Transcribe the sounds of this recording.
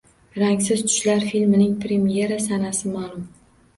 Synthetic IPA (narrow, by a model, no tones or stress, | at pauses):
ɾaŋs̬ɪzt̪ʰʊ̥ʃlaɾfilmnɪŋpʰɾe̞mije̞ɾasanasɪmaːlˠʊm